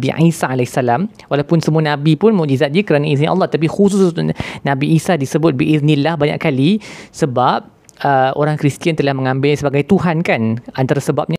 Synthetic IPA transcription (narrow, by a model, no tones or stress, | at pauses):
biʕisaalɛsalam | walawpʊnsəmũanãbipʊnmuʔd͡ʒizat̪̚d͡ʒikəɾanais̬ɲiʔɑ̰lːɑt̪ət̪ap̬ixus̬ʊssnãbiʔisadisəbʊt̪̚bəʔiðnilahbaɲa̰ʔkalisəbap̚ | əʔo̰ɾaŋkɾist̪iant̪əlahmə̃ŋãmbɪlsəbaɡajt̪uɦankanant̪aɾasəbap̚ɲa